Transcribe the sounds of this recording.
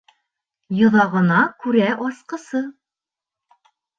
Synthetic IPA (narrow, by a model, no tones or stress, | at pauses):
jɤ̆ðɑʁɤ̆nɑkʉɾæʔɒsqɤ̆sɤ